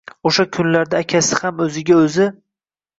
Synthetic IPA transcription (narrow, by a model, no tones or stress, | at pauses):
oʃakʲʰʊnlaɾd̪aːkʲʰasɪhamɵzɪɡʲaɵzɪ